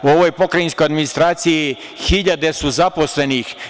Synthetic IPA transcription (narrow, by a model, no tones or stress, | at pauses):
uo̞ʋojpo̞kɾajinskojad̪minist̪ɾaːt̪siji | xiʎad̪e̞suzapo̞sle̞nix